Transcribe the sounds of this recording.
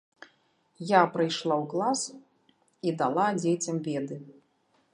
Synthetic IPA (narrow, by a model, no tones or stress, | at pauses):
japɾɨjʂlˠawklˠas | id̪alˠad͡zʲet͡sʲɐmvʲɛd̪ɨ